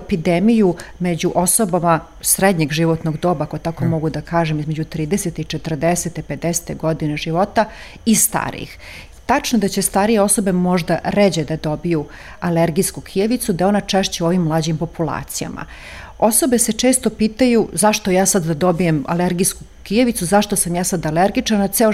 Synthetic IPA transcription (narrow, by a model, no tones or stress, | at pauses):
epid̪emijumed͡ʑuʔo̞sobama | sɾed̪ɲeɡʒiʋot̪noɡd̪o̞ːbakot̪ako̞mo̞ɡud̪akaːʒemizmed͡ʑut̪ɾiːd̪eset̪eit͡ʂet̪r̩d̪eset̪epe̞d̪ese̥t̪eɡod̪ineʒiʋo̞t̪a | ist̪a̰ɾḭx | t̪at͡ʂnod̪at͡ɕe̞st̪aːɾije̞o̞so̞be̞mo̞ʒd̪aɾed͡ʑed̪ad̪o̞biju | aleɾɡiskukʰijeʋit̪sud̪ao̞nat͡ʂeʃt͡ɕeo̞ʋimːlˠaːd͡ʑimpo̞pulˠa̰ːt̪sija̰ma̰ | o̞sobe̞set͡ʂe̞ːst̪o̞piːt̪ajuzaʃt̪o̞jaːsad̪ːad̪o̞bijema̰leɾɡisku | kijeʋit̪suzaʃt̪osamjaːsad̪aleɾɡit͡ʂanat̪seo